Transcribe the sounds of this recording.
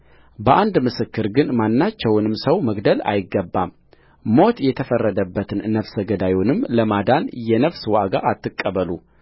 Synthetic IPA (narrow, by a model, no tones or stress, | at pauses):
bəʔand̪mɨsɨkːɨɾɡɨnmanːat͡ʃːɛwnɨmsəwməɡd̪əla̰jɪɡːəbːam | mo̞t̪jɛt̪ʰəfərːəd̪əbːət̪ʰɨnnəfsəɡəd̪ajunɨmləmad̪anjɛnəfswaɡa̰ʔːt̪ːɨkʼːəβəlu